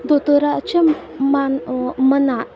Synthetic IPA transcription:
d̪ot̪oɾat͡ɕamanməna

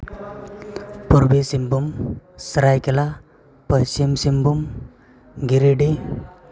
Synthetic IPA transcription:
puɾbisimbumsɾajkela | pət͡ʃimsimbum | ɡiɾiɖi

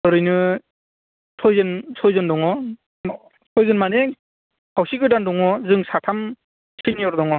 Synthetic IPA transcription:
ɯɾɯjnɯ | sʰɔjzɯnsʰɔjzɯndɔŋɔ | sʰɔjzɯnmane | kʰawsiɡɯdandɔŋɔzɯŋsatʰam | sʰiniɔɾdɔŋɔ

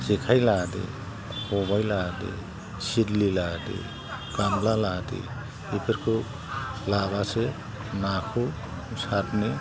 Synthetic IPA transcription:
z̥ekʰajladḛ | kʰɔβajladḛ | sidliladḛ | ɡ̥amlaladḛ | ipʰeɾkʰɯ | laβase | nakʰu | satni

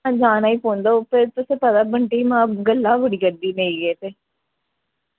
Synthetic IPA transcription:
ãd͡ʒaːnaːiːpõːnd̪oːpʰɪɾt̪ʊsẽpəd̪aːbəɳʈiːmãːɡəlːaːʋəɽiːɡəd̪iːneiːɡeːt̪eː

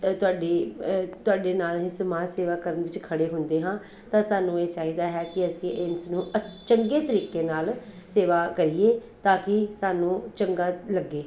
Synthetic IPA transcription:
t̪ʊaːɖeːt̪ʊaːɖeːnaːlɪsmaːseːʋaːkəɾənʋɪt͡ʃkʰəɽeːɦʊnd̪eːɦãː | t̪ãːsaːnũːeːt͡ʃaːiːd̪aːɦɛːkɪəsĩːʔɪnsnũːət͡ʃəŋɡeːt̪əɾiːkeːnaːl | seːʋaːkəɾiːeː | t̪aːkɪsaːnũːt͡ʃəŋɡaːləɡːeː

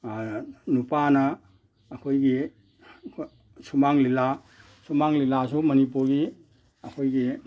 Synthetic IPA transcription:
nupanɐː | kʰojɡi | sumaŋlila | sumaŋlilasumɐnipuɾɡi | ɐkʰojɡi

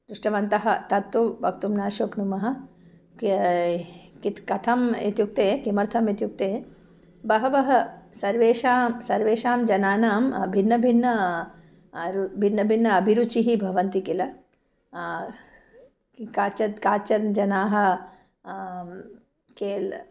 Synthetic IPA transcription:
d̪ɾuʂʈɐʋɐnt̪ɐɦɐt̪ɐt̪ːubɐk̚t̪umnaːʃoːknumɐɦɐ̆ | kit̪kɐt̪ʰɐmḛt̪juk̚t̪eːkimɐɾt̪ʰɐmet̪juk̚t̪eː | bɐɦɐʋɐɦɐsɐɾʋeːʃaːmsɐɾʋeːʂaːmd͡ʒɐnaːnaːmbʱinːɐbʱinːɐ | ɾubʱinːɐbʱinːɐɐbʱiɾut͡ʃiɦibʱɐʋɐnt̪ikilɐ | kaːt͡ʃɐt̪kaːt͡ʃɐɾnd͡ʒɐnaːɦɐ̆ | keːl

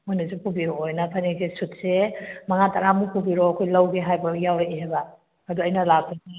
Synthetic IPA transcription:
mojnɐzukubiɾoojnɐpʰɐneɡesut̚semɐŋatʰaɾamukubiɾoɐkʰojlɐwɡeɦajbɐjawɾeiɦajba | ɐduɐjnɐlak̚pasi

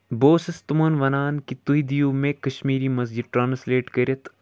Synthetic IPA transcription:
boːsɐst̪umɐnʋɐnaːnkit̪uid̪ijuːmẽkɐʃmiːɾimɐzd͡ʒid̪̚ʈɾaːnsleːʈkɐɾɐt̪ʰ

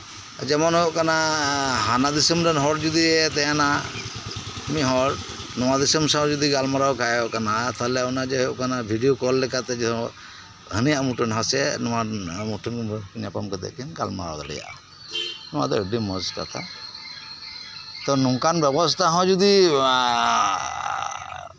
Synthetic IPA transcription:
d͡ʒɛmɔnoʔkanaɦanad̪isəmɾɛnɦɔɖ̚d͡ʒud̪iɛt̪ɛjana | miɦɔɖ | nɔwad̪isəmsãd͡ʒud̪iɡalmaɾawkajɔʔkanat̪alɛɔnad͡ʒɛɦokanabʱiɖijokɔlːɛkat̪ɛd͡ʒɛɔ | ɦəniamuʈənɦasɛnuamuʈunkmkunjapamkət̪ḛkinɡa̰lmaɾa̰wd̪ɔ̰ɽɛ̰ja̰ʔ | nɔwa̰d̪ɔɖimɔsska̰t̪ʰa̰ | t̪ɔnuŋkanbjɛbɔst̪ʰaɦɔ̃d͡ʒud̪i

